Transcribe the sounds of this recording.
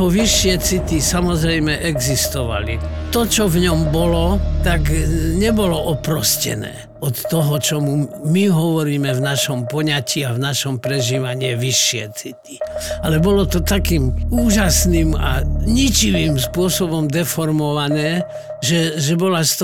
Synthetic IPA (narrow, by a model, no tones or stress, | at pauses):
ɦɔʋiʃːɪɛt͡sit̪isamɔzɾɛjmɛʔɛɡzist̪ɔʋa̰lit̪ɔt͡ʃɔvɲɔmbɔlɔt̪aɡɲɛbɔlɔʔɔpɾɔscɛ̰nɛ̰ː | ɔt̪ːɔɦɔt͡ʃɔmumiɦɔʋɔɾiːmɛvnaʃɔmpɔɲaciavnaʃɔmpɾɛʒiːʋaɲɪɛʋiʃːɪɛ̰t͡sit̪i̥alɛbɔlɔt̪ɔt̪akiːmuːʒasniːma̰ɲit͡ʃiʋimspʊɔsɔbɔmd̪ɛfɔɾmɔʋanɛː | ʒɛʒɛbɔlast̪